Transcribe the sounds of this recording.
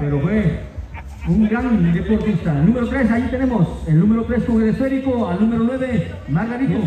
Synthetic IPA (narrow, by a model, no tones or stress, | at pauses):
peɾofwe | uŋɡɾand̪epoɾt̪ist̪aelnũmeɾot̪ɾesait̪ene̞moselnũmeɾot̪ɾeskoŋeɾesfeɾikoalnũmeɾonweβe | mazɣaɾisimo